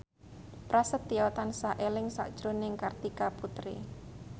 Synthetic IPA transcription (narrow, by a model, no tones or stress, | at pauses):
pɾasət̪ːijɔt̪ansaʔelɪŋsa̰ʔd̥ʒ̥ɾonɪŋkart̪ikaput̪ɾḭ